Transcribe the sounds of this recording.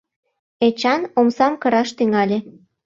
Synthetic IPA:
et͡ɕɑnomsɑmkɤɾɑʃt̪yŋɑlʲe

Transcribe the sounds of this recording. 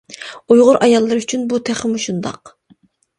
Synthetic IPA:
ujʁʊɾʔɑjɑlˠːɨɾyt͡ʃʰynbut̪ʰæχəmuʃund̪ɑ̰q

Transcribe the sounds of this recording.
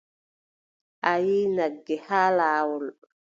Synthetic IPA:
ʔajiːnaɡːɛhaːlaːwɔl

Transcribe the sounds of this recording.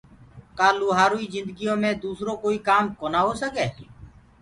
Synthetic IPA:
kaːluːɦaːɾuːiːzɪ̃nd̪əɡijõːmẽːd̪uːsɾoːkoːiːkaːmkoːnaːɦoːsəkeː

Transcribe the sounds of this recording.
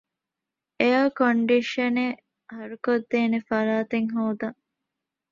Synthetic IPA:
ejaːkoɳɖiʃɐne | hɐɾukod̪ːeːnefɐɾaːt̪eŋɦoːd̪ɐŋ

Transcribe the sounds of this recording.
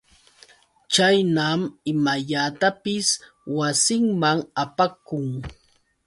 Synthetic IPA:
t͡ʃajnamɪmaʎat̪apɪs | wasɪŋmaŋapakʊŋ

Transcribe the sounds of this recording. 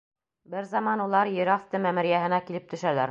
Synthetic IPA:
bɘɾzɑmɑnulˠɑɾjɘ̆ɾɑft̪ɤmæmɘ̆ɾjæɦɘ̆nækilɘp̚t̪ɵ̆ʃælæɾ

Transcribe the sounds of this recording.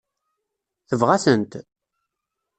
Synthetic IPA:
θəvʁæsənt̪

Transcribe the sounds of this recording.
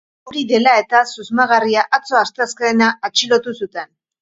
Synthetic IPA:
uɾiðe̞lae̞t̪asuzmaɣariaʔat͡so̞ast̪askaːnaat͡ʃilo̞t̪usut̪e̞n

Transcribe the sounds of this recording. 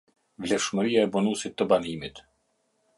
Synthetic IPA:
vlɛfʃməɾiaɛbɔnusit̪ːəbanimit̪

